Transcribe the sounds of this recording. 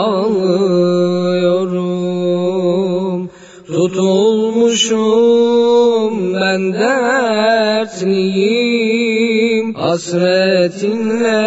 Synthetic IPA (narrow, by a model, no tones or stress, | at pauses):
lˠɯ | joɾu | m | t̪ʰut̪ʰulˠmuʃu | mbænd̪æ | ɾt̪liji | mhɑsɾɛt̪ʰinlæ